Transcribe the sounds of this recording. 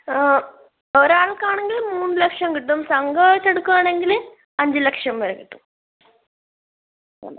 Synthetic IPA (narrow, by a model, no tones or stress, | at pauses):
oɾaːɭkaːɳeŋɡilmuːnːɨlɐkʂjɐmkiʈːumsɐŋɡɐt͡ɕːeɽukːuʋaːɳeŋɡil | ɐɲd͡ʑɨlɐkʂjɐmʋɐɾekiʈːum